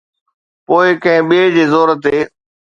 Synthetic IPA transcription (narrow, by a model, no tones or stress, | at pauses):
poːɪkɐ̃ɦɪ̃ɓiːd͡ʑeːzoːɾət̪eː